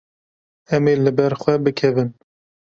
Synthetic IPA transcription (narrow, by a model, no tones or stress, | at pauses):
ɛmeːlɨbɛɾxʷwɛbɨkʰɛvɨn